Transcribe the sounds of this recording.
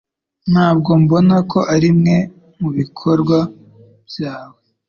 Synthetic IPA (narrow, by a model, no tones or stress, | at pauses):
n̥haːb̚ɡo̞mbo̞nakʰo̞ʔaɾimŋe̞ | muβikʰo̞ɾɡwa | bjaːβo